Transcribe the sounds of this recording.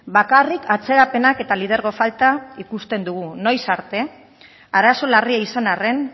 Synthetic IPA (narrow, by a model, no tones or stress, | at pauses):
bakarikʰat͡se̞ɾape̞nake̞t̪alið̞e̞ɾɣo̞falt̪aikust̪e̞nd̪uɣ̞uno̞jsaɾt̪e̞ | aɾaso̞lariaisanare̞n